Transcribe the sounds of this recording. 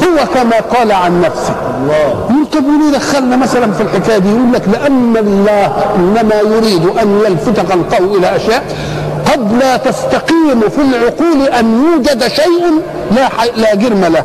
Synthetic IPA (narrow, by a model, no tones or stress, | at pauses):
hʊwakamaːqɑːlaʕanːafsɪ̥ | jʔuːlt̪ˤɑbwɪnid̪axːalnamasalanfilħɪkaːjad̪ijʔuːlːaklɪʔanːalːɑːhʔɪnːamaːjʊɾiːd̪ʔanjalfɪt̪ɑqalqɑwiʔɪlaʔaʃjaːʔ | q̪ɑblat̪ast̪aqiːmfilʕʊquːlʔanjuːd͡ʒad̪ʃajʔan | lalaːɡɪɾmala